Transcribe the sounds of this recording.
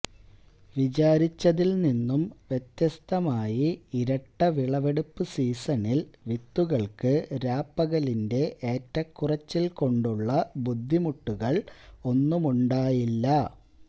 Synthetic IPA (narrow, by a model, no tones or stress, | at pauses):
ʋit͡ɕaːɾit͡ɕːɐðilninːumʋje̞t̪jɐst̪ɐmaːjiiɾɐʈːɐʋiɭɐʋe̞ɽupːɨsiːsɐnilʋit̪ːuɣɐɭkɨɾaːpːɐɣɐlinde̞ʔeːtːɐkːurɐt͡ɕːilko̞ɳɖuɭːɐbud̪ʱːimuʈːuɣɐɭo̞nːumuɳɖaːjilːɐ